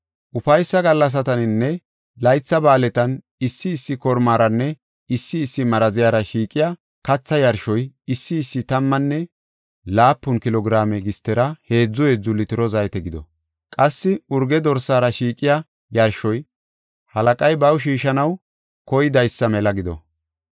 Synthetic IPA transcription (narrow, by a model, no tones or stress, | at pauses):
ʔʊfɐjsːɐɡɐlːɐs̬ɐt̪ɐnɪnːɛ | lɐjt͡sːɐbaːlɛt̪ɐn | ɪsːɪːsːɪkɔɾmaːɾɐnːɛ | ɪsːɪːsːɪmɐɾɐzɪjaːɾɐʃiːkʼɪja | kɐt͡sːɐjɐɾʃɔjɪsːɪːsːɪt̪ɐmːɐnːɛ | laːpːʊnkɪlɔɡɾaːmɛɡɪst̪ːɛɾɐhe̞ːd͡zːʊɛd͡zʊlːɪt̪ɪɾɔzɐjt̪ɛɡɪd̪ɔ̰ | kʼɐsːɪʊɾɡɛd̪ɔɾsaːɾɐʃiːkʼɪja | jɐɾʃɔj | hɐlɐkʼɐjbɐwʃ̬iːʃɐnɐw | kɔjd̪ɐjsːɐmɛlɐɡɪd̪ɔ̰